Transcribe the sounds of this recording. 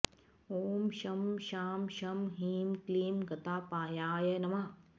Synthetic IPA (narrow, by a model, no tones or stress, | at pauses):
oːmʃɐmʃaːmʃɐmɦiːmkliːmɡɐt̪aːpaːjaːjɐnɐma